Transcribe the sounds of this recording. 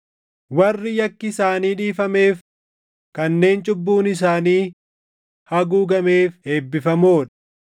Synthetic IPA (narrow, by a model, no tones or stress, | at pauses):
wɐrːɪjɐkːɪsaːniːᶑiːfɐme̞ːf | kɐnːe̞ːnt͡ʃʼʊbːuːnɪs̬aːniː | hɐɡuːɡɐme̞ːfe̞ːbːɪfɐmoːᶑɐ̥